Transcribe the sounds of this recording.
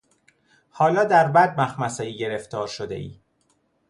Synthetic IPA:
hɒːlɒːd̪æɾbæd̪̚mæxmæsɒiːɟe̞ɾeft̪ɒːɾʃod̪ḛʔḭː

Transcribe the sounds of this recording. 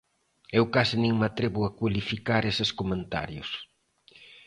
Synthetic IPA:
ewkasɪnẽŋmat̪ɾeβʊakwalifikaɾesɪskomẽnt̪a̰ɾjʊs

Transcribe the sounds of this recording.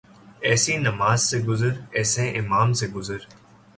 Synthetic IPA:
ɛːsiːnɐmaːzsẽːɡʊzəɾɛːsẽːʔɪmaːmsẽːɡʊzəɾ

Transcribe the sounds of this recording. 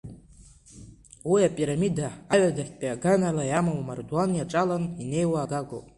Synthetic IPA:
wijapʼiɾamidaaɥadaħʲpʼiaɡanalajamawmarduanjaʈ͡ʂʼalanine̞jwaːɡaɡʷo̰

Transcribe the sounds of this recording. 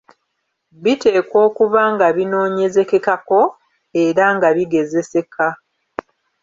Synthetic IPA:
βite̞ːko̞ːkuβaŋɡaβino̞ːɲe̞ze̞ke̞kako̞ | e̞ɾaŋɡaβiɡe̞ze̞se̞ka

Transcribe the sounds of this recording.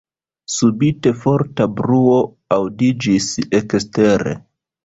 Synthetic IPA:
subite̞fo̞ɾtabɾuo̞ | awdid͡ʒisekste̞ɾḛ

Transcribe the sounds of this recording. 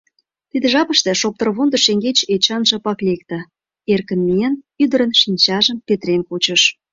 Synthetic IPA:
t̪id̪ĕʒɑpəʃt̪ĕʃok̚t̪ərβond̪əʃeŋɡet͡ɕet͡ɕɑnʒə̆pɑklek̚t̪ə̆ | erkə̆nmiən | yd̪ə̆ɾə̆nʃinʲt͡ɕɑʒəmpʲet̪renkot͡ɕəʃ

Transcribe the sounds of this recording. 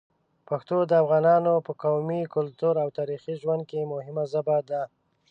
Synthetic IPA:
paxt̪od̪əafɣɑnɑnopəkawmikʊlt̪uɾawt̪ɑɾixiʒwand̪̚kemʊhɪmazabad̪a

